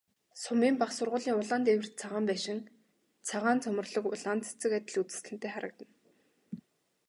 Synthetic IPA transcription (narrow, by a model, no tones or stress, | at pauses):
sʊmiːmpaχsʊrʁʊːɮiːŋʊɮaːnt̪ewɘ̆r̥t̪̚t͡sʰaʁaːmpæːʃɪ̆ŋ | t͡sʰaʁaːnt͡sʰɵmɵ̆rɮɞ̆kʊ̰ɮant͡sʰe̥t͡sɘ̆kat̪ʲɪ̆ɮut͡sɘ̥̆sɮɘ̆nt̪eːχaɾə̆k̚t̪ə̆n